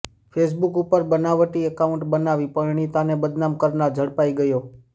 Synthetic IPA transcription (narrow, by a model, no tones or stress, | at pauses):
fʰes̬bukupəɾbənaʋəʈiəkaũɳʈbənaʋipəɡɳ̃it̪anebəd̪namkəɾnad͡ʒʱəɽpaiɡəjo